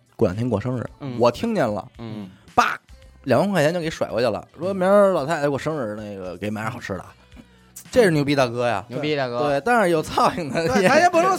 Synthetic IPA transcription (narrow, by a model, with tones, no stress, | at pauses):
kwa̰˨˩nt̪ʰɛ˥ŋkwa̰˨˩ʂɤ˥ŋɻ̩̰˨˧˩wɔ˨˩t̪ʰi˥ŋnjɛ˥˩nlə̰˨˩pa̰˥˩ljŋwʰxjjke˧˥ɪʂwa˨˩ɪkwɔ˧t͡ɕa˥˩lə̰˩ʂwɔ˥mi˧˥ə˥lɑ˨˩ʊt̪ʰa˥˩˨kwɔ˨˩ʂɤ˥ŋɻ̩˨˧˩ne˥˩ɪɡə̰˩ke˧˥ɪma˧˥n˧˥xɑ˨˩ʊʈ͡ʂʰɻ̩˧˥lə̰˨˩ | ʈ͡ʂʂɻ̩˥˩nju˧˩pi˧˥ɑ˥˩kɤ˥ja̰˨˩˧i˧kt̪e˥˩ɪt̪ɑ˥ŋa˧˥jo˨˩ʊt͡sʰɑ˥˩ʊi˨˩ŋd̪ə˧˥ɛ˥pu˧˥ʂ